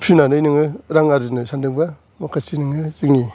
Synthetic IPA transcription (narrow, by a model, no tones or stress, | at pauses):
pʰinanɯjnɯŋɯɾaŋaɾzinɯsandɯŋba | makʰasinɯŋɯzɯŋni